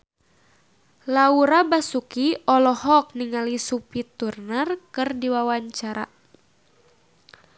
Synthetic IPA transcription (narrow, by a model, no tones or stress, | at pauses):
lauɾabasukiɔlɔhɔk̚niŋalisupit̪urnərkɨrdiwawaɲt͡ʃaɾa̰